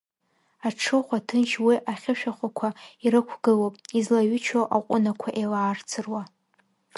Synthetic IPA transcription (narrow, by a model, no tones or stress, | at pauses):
aʈ͡ʂʰɨχʷatʰɨnʃwiʔaχʲɪʃᶣaχʷakʷʰaiɾɨkʷʰɡɨlopʼizlaɥʏt͡ʃʰoʔaqʷʼʊnakʷʰaʔelaːrt͡sʰɨrwa